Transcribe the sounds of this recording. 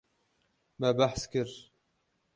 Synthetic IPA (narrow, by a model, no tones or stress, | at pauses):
mɛbæħskɨɾ